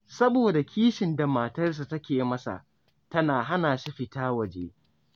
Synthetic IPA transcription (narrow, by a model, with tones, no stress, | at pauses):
sɐ˦boː˨da˨kʲʰiː˦ʃɪ˨nda˨maː˨tɐ˦rs̬a˨tɐ˦kʲeː˨˦mɐ˦sa̰˨ʔ | tɐ˦naː˨ɦa˦naː˨ʃi˦ɸɪ˨taː˦wɐ˨d͡ʒḛː˦